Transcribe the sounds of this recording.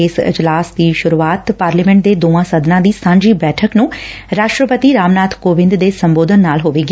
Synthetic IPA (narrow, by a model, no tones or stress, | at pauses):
eːsɪ̰d͡ʒlaːsd̪iːʃʊɾuːaːt̪paːɾliːmɛ̃ɳʈ̚d̪eːd̪oːãːsəd̪nãːd̪iːsãːɲd͡ʒiːbɛːʈʰəknũː | ɾaːʃʈɾəpət̪iːɾaːmnaːt̪ʰkoːʋɪ̃nd̪d̪eːsəmboːd̪ənːaːlɦoːʋeːɡi